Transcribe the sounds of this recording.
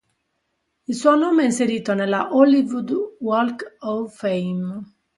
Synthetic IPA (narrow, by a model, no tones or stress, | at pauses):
ilsuonoːmeɛinseɾiːt̪onelːaʔolivud̪wɔlkɔfejm